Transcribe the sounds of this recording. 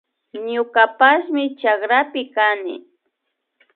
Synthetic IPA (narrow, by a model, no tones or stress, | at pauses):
ɲʊkapasmɪt͡ʃakɾapɪkanɪ̰